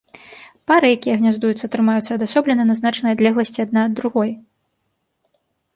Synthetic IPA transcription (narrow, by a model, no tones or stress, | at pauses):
paɾɨjakʲijɐɣnʲazd̪ujut̪sɐt̪ɾɨmajut̪sːɐd̪asɔblʲɛnɐnɐznat͡ʂɐnɐjɐd̪lʲɛɣlˠɐsʲt͡sʲiad̪̚nad̪ːɾuɣɔj